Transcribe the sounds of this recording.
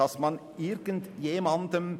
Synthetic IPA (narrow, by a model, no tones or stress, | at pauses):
ɑsmɑn | ɪɾɡ̥ənt̪jemɑnd̪əm